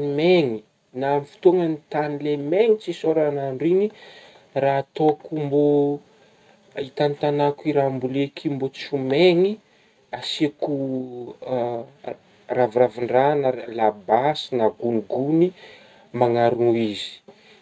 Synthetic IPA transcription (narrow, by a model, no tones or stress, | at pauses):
nimeŋi | naamifi̥t̪oŋənit̪anilemeŋit͡sisoɾanaɳɖ͡ʐini | raːt̪okumbo | it̪anit̪anakuiɾambulekʰimbot͡sumeŋi | asiku | ravraviɳɖ͡ʐanəlabasinaɡuniɡuni | maŋaɾunuizi̥